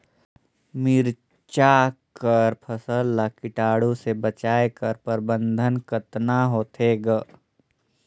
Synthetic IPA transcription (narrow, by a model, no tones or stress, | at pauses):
miɾ | t͡ʃakəɾpʰəsəlːakɪʈaːɽusebət͡ʃaːekəɾpəɾbə̃nd̪ʱənkət̪naɦoːt̪ʰeːɡ